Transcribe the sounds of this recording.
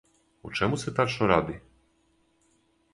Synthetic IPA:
ṵt͡ʂɛmusɛt̪aɾʂɔ̃w̃ɾad̪ɘ

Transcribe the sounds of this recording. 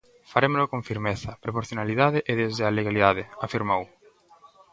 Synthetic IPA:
faɾemolokõɱfiɾmeθɐpɾopoɾθjonaliðaðɪʔeðezaleɣaliðað̞ɪafiɾmow

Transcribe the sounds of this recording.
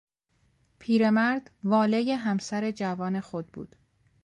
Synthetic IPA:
pʰiːɾe̞mæɾd̪̥vɒːle̞je̞ɦæmsæɾe̞d͡ʒævɒːne̞xo̞d̪̚bṵːd̪̥

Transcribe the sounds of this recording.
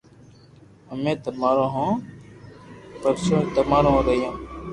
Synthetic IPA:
əmẽːt̪əmaːɾõːɦõː | pəɾsõːt̪əmaːɾõːɾəɦijãː

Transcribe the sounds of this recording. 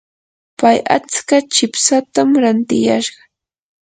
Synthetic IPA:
paja̰t͡skat͡ʃɪpsat̪amɾant̪ɪjaʃɢɑ

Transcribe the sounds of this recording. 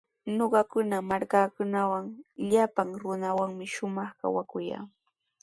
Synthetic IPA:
noɢɑkʊnamaɾkaːkʊnawaŋʎapaŋɾʊnawaŋmɪʃʊmɑχka̰wakʊja̰ː

